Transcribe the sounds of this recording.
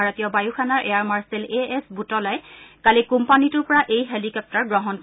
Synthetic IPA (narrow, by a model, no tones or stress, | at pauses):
aɹatijɔbajuxʰanaɹʔejaɹmaɹseleɛsbutɔlajkalikumpanitʊɹpɔɹaʔejɦelikɔp̚taɹɡɹɔɦɔnk